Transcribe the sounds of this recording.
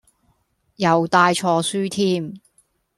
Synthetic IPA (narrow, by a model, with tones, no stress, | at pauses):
jɐ˨wt̪aː˧jt͡ʃʰɔː˧syː˥t̪ʰiː˥m